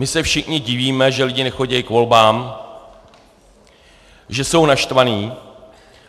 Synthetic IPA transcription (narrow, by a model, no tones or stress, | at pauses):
mɪsɛfʃɪxɲɪɟɪviːmɛʒɛlɪɟɪnɛxo̞ɟɛjɪkvo̞lbaːm | ʒɛso̞wnaʃt̪vaniː